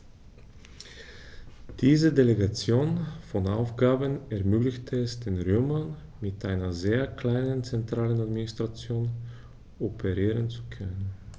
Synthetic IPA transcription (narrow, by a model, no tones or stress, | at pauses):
d̥iːzədeleɡat͡sjoːnfɔna̰ʊfɡ̥aːbənɛɐmyːklɪçtʰəɛsd̥eːnʁøːmɐn | mɪtʔaɪnɐzeːɐkl̥aɪnənt͡sɛntʁ̥aːlənadminɪstʁ̥at͡sjoːn | ɔpʰeʁiːʁənt͡su̥kʰœnən